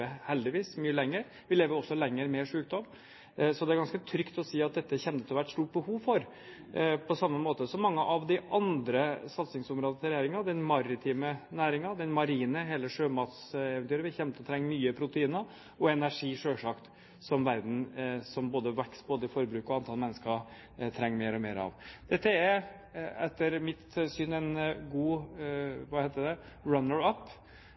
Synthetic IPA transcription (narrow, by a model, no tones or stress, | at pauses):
əhɛld̪ɪʋiːsmyːəlɛŋːəɾ | ʋɪleːʋəɾɔsːɔlɛŋːəɾmeːʂʉːk̚d̪ɔm | sɔd̪ɛæɾɡɑnskət̪ʰɾʏkt̪ɔsiːɑt̪̚d̪ɛt̪ːəçɛnt̪ət̪ɪlɔʋæʈst̪uːʈ̚bəhuːʋfɔɾ | pʰɔsɑmːəmoːt̪əsɔmːɑŋːəʔɑʋd̪ɪʔɑnd̪ɾəsɑt̪sɪŋsʊmɾoːd̪ət̪ʰəɾɛjeːɾɪŋɑd̪ɛnmɑɾɪt̪ʰiːmənæːɾɪŋɑd̪ɛnmɑɾiːnəɦeːləʂøːmɑt̪sɛʋɛnyːɾəʋɪçɛmt̪ɔt̪ʰɾɛŋːmyːəpʰɾʊt̪əiːnə | ɔɛnæʂiːʂøːʂɑkt̪ | sɔmʋæɾd̪n̩sɔmboːd̪əʋɛksboːd̪əɪfɔɾbɾʉːkɔɑnt̪ʰɑlmɛnːəskə | t̪ʰɾɛŋːmeːɾɔmeːɾɑ̰ʋd̪̥ɛt̪ːəɛ | ɛt̪ːəɾmɪt̪sʏnɛnɡuː | ʋɑheɪt̪əd̪ɛ | ɾɑnəɾɑpː